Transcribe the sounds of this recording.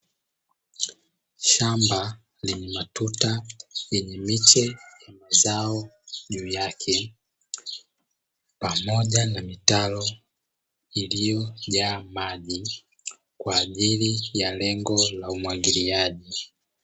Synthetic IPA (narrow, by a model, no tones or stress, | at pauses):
ʃamba | liɲɛmatutajɛɲɛmit͡ʃɛjamazaɔʄuːjakʰɛ | pamɔʄanamitalɔ | ilijɔʄaːmaʄi | kwaːʄilijalɛŋɡɔlaumwaɡiliaʄi